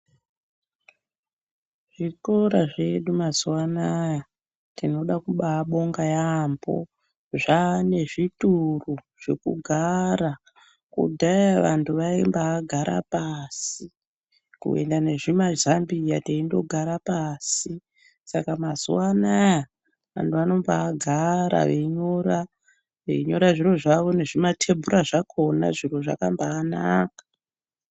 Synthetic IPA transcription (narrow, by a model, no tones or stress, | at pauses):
ʐ̥iko̞ɾaʐe̞ɗumazwanaja | tino̞ɗakuɓaɓo̞ŋɡajambo̞̰ | ʐane̞ʐituru | ʐ̥e̞kuɡʱaɾa | kṵdʱajaʋantʰuʋaimbaːɡʱaɾa̰pasi | kṵe̞̰ndane̞ʐimaʒambijataindo̞ɡʱaɾapaːsi | sakamasuwanaja | ʋa̰ntʰuʋano̞mbaːɡʱaɾa̰ʋeiɲo̞ɾa | ʋḛiɲo̞ɾaʐiro̞ʐaʋo̞ne̞ʐimatʰe̞mbʱuɾaʐakʰo̞na̰ʐiro̞ʐa̰kambaːnaːkḁ